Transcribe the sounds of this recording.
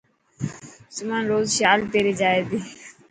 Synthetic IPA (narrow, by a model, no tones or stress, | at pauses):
sʊmanɾoːzʃjaːlt̪eːɾiːd͡ʒaːed̪iː